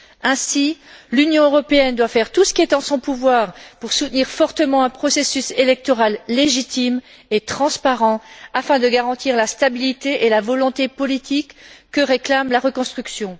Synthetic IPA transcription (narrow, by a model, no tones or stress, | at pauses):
ɛ̃silynjɔ̃øʁɔpeɛnd̪wafɛʁt̪usə̥kʲiɛt̪ɑ̃sɔ̃puvwaʁpuʁsut̪niʁfɔʁt̪əmɑ̃ɛ̃pχɔsesyselɛk̚t̪ɔʁalːeʒit̪im | et̪χɑ̃spaʁɑ̃afɛ̃d̪əɡaʁɑ̃t̪iʁlast̪abilit̪eʔelavɔlɔ̃t̪epɔlit̪ikːəʁeklamlaʁəkɔ̃st̪χyksjɔ̃